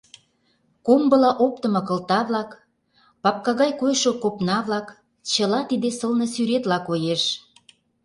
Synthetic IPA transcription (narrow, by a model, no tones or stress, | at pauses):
kombɤ̆lɑʔop̚t̪ə̆mɤ̆kə̆lt̪ɑβlɑk | pɑp̚kɑɣɑjkojʃokopnɑβlɑk | t͡ɕəlɑt̪id̪esəlnɤ̆syɾet̪lɑkojeʃ